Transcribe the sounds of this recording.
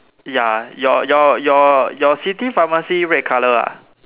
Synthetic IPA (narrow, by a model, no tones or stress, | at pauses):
jajɔjɔjɔjɔsit̪ifãmasiɹɛt̚kʰaləa̰